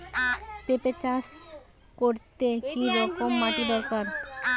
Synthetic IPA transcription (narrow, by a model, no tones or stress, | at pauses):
pepet͡ɕaʃ | koɾt̪ekiɾɔkomːaʈid̪ɔɾkaɾ